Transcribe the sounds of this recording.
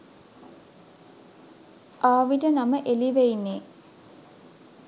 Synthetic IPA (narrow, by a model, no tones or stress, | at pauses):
ʔaːʋiʈənaməʔeliʋeinːe